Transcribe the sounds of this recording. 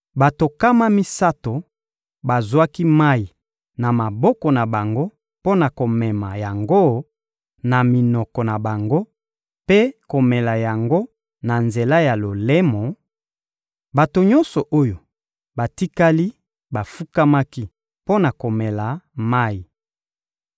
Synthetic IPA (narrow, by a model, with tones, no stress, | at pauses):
ba˨to˨ka˦ma˦mi˦sa˦to˨ | ba˨zwa˦ki˦ma˦ji˨ | na˨ma˨bɔ˦kɔ˨na˨ba˨ŋɡo˦ | po˦na˨ko˨mɛ˨ma˨ja˨ŋɡo˦ | na˨mi˨nɔ˨kɔ˨na˨ba˨ŋɡo˦ | pe˦ko˨mɛ˨la˨ja˨ŋɡo˦ | na˨nze˨la˦ja˨lo˨lɛ˦mɔ˨ | ba˨to˨ɲɔ˦nsɔ˨ʔo˦jo˨ | ba˨ti˦ka˦li˦ | ba˨fu˦ka˦ma˦ki˦ | po˦na˨ko˨mɛ˨la˨ma˦ji˨